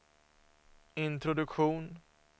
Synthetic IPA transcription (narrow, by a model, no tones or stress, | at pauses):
ɪnt̪ɾʊd̪ɵkɧuːn